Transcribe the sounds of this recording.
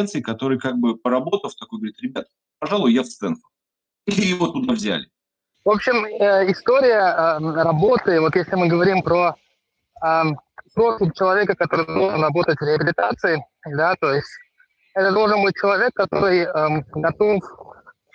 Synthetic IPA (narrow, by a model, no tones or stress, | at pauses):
ɛnt̪sɨɪkɐt̪o̞ɾɨjkaɡ̚bɨpəɾɐbo̞t̪əft̪ɐkojɡəvɐɾʲit̪ʲɾʲɪbʲat̪̚ | pɐʐalˠʊjjafst̪sɛnfʊ̥ | ilʲɪjɪvot̪ʊd̪avzʲæ̰lʲɪ | vo̞pɕɪməɪst̪o̞ɾʲɪjəəɾɐbo̞t̪ɨvo̞t̪jesʲlʲɪmɨɡəvɐɾʲimpɾo | əpɾosʲɪmt͡ɕɪlˠɐvʲe̞kəkɐt̪o̞ɾɨd̪o̞lˠʐənrɐbo̞t̪ətʲvɾʲɪɐbʲɪlʲɪt̪at̪sɨɪ | d̪at̪o̞jɪsʲtʲ | ɛt̪əd̪o̞lˠʐənbɨt̚ʲt͡ɕɪlˠɐvʲe̞kːɐt̪o̞̰ɾɨjəɡɐt̪o̞f